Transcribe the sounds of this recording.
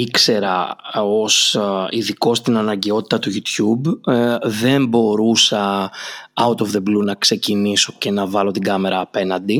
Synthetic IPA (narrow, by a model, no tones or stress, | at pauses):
ikse̞ɾɐo̞siðiko̞st̪inɐnɐɲɟe̞o̞t̪i̥t̪ɐt̪uʝut̪çub | ðe̞mbo̞ɾusɐ | ɐut̪ofðe̞blunɐkse̞ciniso̞ce̞nɐvɐlo̞t̪iɡɐme̞ɾɐːpe̞nɐnd̪i